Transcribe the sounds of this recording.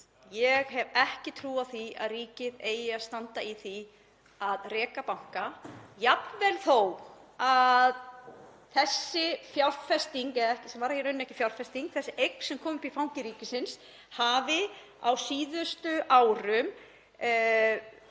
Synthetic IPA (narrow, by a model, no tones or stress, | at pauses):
jɛɣɦɛvɛhcɪt̪ʰɾuːaθia̰ðriːcɪðeːjast̪ant̪aiθi | aðrɛːkapawŋ̥kajapnvɛlθowað | θɛsːɪfjawɾðfɛst̪iŋkɛðaɛhcɪsɛmvaːɾahɛɾʏnːɛhcɪ̥fjawɾfɛst̪iŋk̚θɛsːɪʔejkn̥sɛmkʰɔːmʏpiifawŋ̥cɪɾiːcɪsɪns | haːvɪ | awsiːðʏst̪ʏʔaːwɾʏm